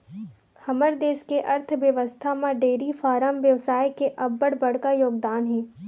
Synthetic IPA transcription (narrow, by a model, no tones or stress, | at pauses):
hɐməɾd̪eːskeʔɐɾt̪ʰʋjəʋəst̪ʰamãɖeːɾifaːɾəmʋjəʋsaːjkeʔɐbːəɽbɐɽ̤kajoːɡd̪aːnɦɛ̃ː